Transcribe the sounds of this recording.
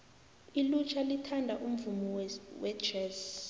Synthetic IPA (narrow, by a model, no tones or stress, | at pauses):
ilut͡ʃʰalitʰandʱaʔum̩vumiwɛ̥ʒ̥ɛz